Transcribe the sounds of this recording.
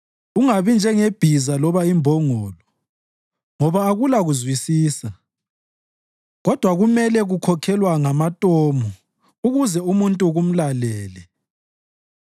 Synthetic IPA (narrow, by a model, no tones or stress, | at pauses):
uŋaβind͡ʒʱɛŋeb̥ʱizalɔβaimbʱɔŋɔːlɔ | ŋɔβaːɣulaɣuzwisiːsa | ɣɔd̥ʱwaɣumɛlɛɣukʰɔkʰɛlwaŋamatʼɔmɔ | uɣuzɛumuntʼuɣum̩lalɛːlɛ